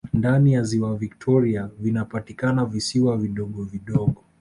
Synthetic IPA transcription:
ndanijaziwaviktʰɔɾiavinapatikanavisiwaviɗɔɠɔviɗɔɠɔ

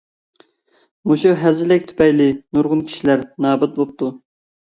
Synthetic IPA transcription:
muʃuɦɛzɪlɪk̚ʲt̪ʰy̥pɛjlɪnuɾʁʊnkʲʰi̥ʃilæɾnɑːbɛt̪̚bop̚t̪ʰu

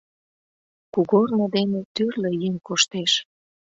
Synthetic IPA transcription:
kuɣornɤ̆d̪enet̪yrlejeŋkoʃt̪eʃ

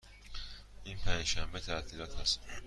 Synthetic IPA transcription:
inpʰænd͡ʒʃæmbet̪ʰæt̪ʰiːɾɒːt̪hæst̪

